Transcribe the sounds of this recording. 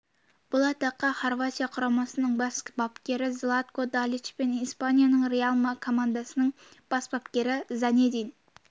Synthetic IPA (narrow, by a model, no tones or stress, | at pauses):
b̥ʊlˠɑt̪ɑqːɑχorvat̪ʲijaqʰʊɾɑmɑsənəɴbɑskbɑpkʲe̞ɾɪzlˠat̪kod̪alʲit͡ʃpenispanʲijanəɴɾealˠmɑkʰo̞mand̪asənəɴb̥ɑsbɑpkʲe̞ɾɪzɑned̪ijn